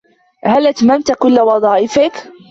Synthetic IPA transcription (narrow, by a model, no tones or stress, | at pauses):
halʔat̪mamt̪kʊlːawɑðˤɑːʔɪfɪk